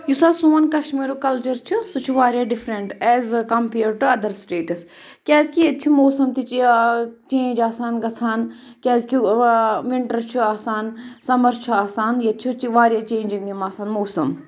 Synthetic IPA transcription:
jusaːsuːɐnkɐʃmiːɾukɐlt͡ʃɐɾt͡ʃʰusut͡ʃʰuʋaːɾjaːɖifɾeɳʈɛːzkɐmpeːɾʈuɐd̪ɐɾsʈeːʈɐs | kʲaːzkijet͡ʃʰumoːsɐmt̪it͡ʃit͡ʃẽːɲd͡ʒaːsaːnɡɐt͡sʰaːnkʲaːzkiʋɪɳʈɐɾt͡ʃʰuaːsaːnsɐmɐɾt͡ʃʰuaːsaːnjɐt͡ʃʰut͡ʃiʋaːɾjaːt͡ʃẽːɲd͡ʒiŋd̪imaːsaːnmoːsɐm

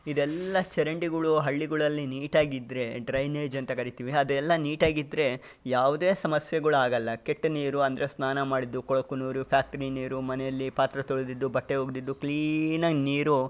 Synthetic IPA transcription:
id̪ɛlːɐt͡ʃɛɾɐɳɖiɡɐɭuɦɐɭːiɡɐɭɐlːiniːʈaːɡid̪ɾe̞ɖɾɐjneːd͡ʒɐnt̪ɐkɐɾit̪iʋiɐd̪ɛlːɐniːʈaːɡid̪ɾe̞ | jaːʋud̪eːsɐmɐsjɛɡɐɭuaːɡɐlːɐkeʈːɐniːɾuɐnd̪ɐɾe̞snaːnɐmaːɽid̪ːukɔɭɐkːunuːɾupʰjaːk̚ʈɐɾiniːɾumɐnɛjɐlːipaːt̪ɾɐt̪oɭɐd̪id̪ːubɐʈːe̞ɦoːɡd̪id̪ːukɭiːnɐniːɾu

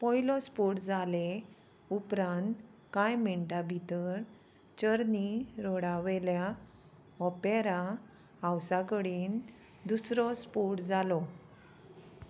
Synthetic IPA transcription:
pɔjlɔspuʈd͡zale | upɾãnt̪kajmiɳʈabʱit̪əɾ | t͡ɕəɾniɾɔɽaʋɛlja | ɔpeɾa | awsakəɽiːn | d̪usɾɔspuʈd͡zalɔ

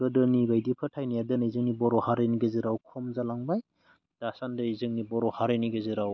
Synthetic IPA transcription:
bɯdɯnibajdipʰɯtʰajnijadɯnizɯŋnibɔɾɔhaɾeniɡeziɾawkʰɔmzalaŋbaj | d̥asandɯizɯŋnibɔɾɔhaɾeniɡeziɾaw

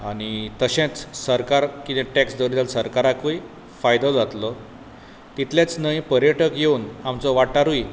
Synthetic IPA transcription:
aɽ̃it̪əɕẽt͡ssəɾkaɾkit̪ẽʈɛksd̪əɾid̪alsəɾkaɾakui | fajd̪ɔd͡zat̪lɔ | t̪it̪ljet͡snəĩpəɾjəʈəkjeuːnamt͡sɔʋaʈaɾui

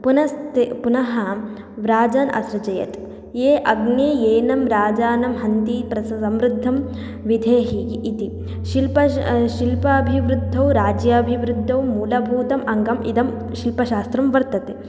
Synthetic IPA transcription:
punɐst̪epunɐɦɐ | ʋɾaːd͡ʒaːnɐ̰sɾɐd͡ʒɐjɐ̰t̪ | jeːʔɐɡneːjeːnɐmɾaːd͡ʒaːnɐmɦɐnt̪ipɾɐsɐsɐmɾɪd̪ʱːɐm | ʋid̪ʱeːɦiːt̪i | ʃilpɐʃilpɐːbʱiʋɾud̪ʱːɐwɾaːd͡ʒjɐːbʱiʋɾud̪ʱːɐwmuːlɐbʱuːt̪ɐmʔɐŋɡɐmḭd̪ɐm | ʃilpɐʃaːst̪ɾɐmʋɐɾt̪ɐt̪e

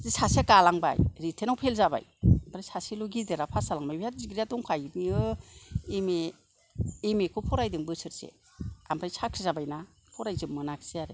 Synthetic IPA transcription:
zisasiakalaŋba̰jɾitʰenawpʰelzaba̰jampʰɾajsʰasiloɡideɾapʰasalaŋbajbijat̚ziɡɾijatɔŋkʰajmiɯ | emeː | mekʰɔpʰɔɾajdɯŋbɯsɯɾsḛ | ampʰɾajsʰakʰɾizabajna | pʰɔɾajzɯmːɯnakʰseaɾɯ

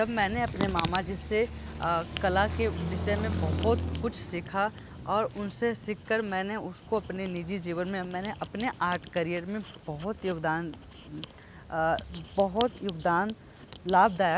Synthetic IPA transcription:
d͡ʒɐbmɛ̃ːneɐpnemaːmad͡ʒɪse | kɐlaked̪ɪʃəmẽbɐɦʊt̪kʊt͡ʃʰsɪkʰa | ɔːɾʊnsesɪkʰːəɾmɛ̃ːneʊskoɐpnenɪd͡ʒid͡ʒiːʋənmẽmɛ̃ːneʔɐpneʔaːɾʈʰkɐɾijəɾmẽbɐɦʊt̪jʊɡd̪aːn | bɐɦʊt̪jʊɡd̪aːn | laːb̚d̪aːja

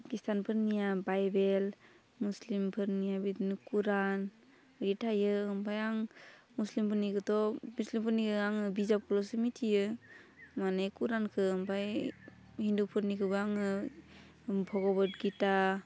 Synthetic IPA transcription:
kistʰanpʰɯɾnijabajbel | muslimpʰɯɾnijabitnikuɾan | ɾitʰajɯɯmpʰajaŋ | muslimpʰɯɾnikɯtɔmuslimpʰɯɾnikʰɯɡaŋɯbizap̚kʰɯlɔsɯmitʰijɯ | manajkuɾankʰɯɯmpʰaj | hindupʰɯɾnikʰɯɡaŋɯ | pʰɔɡɔbɔtɡita

